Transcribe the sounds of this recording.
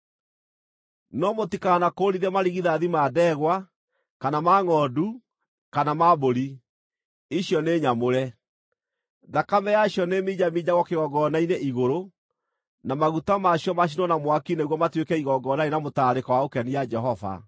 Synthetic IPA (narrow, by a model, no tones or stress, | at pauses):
nɔmotikanakoɾiðɛmaɾiɣiðaðimaːdɛːɣwa | kanamaːŋɔːdu | kanamaːboɾi | iɕjɔneːɲamoɾɛ | ðakamɛjaɕjɔnemiːd͡ʑamiːd͡ʑaɣɔkeɣɔɡɔnaineʔiɣoɾo | namaɣutamaɕjɔmaɕ̬inɔnamwakineɣwɔmatwekɛiɣɔɡɔːnainamotaːɾekawaokɛniad͡ʒɛɦɔva̰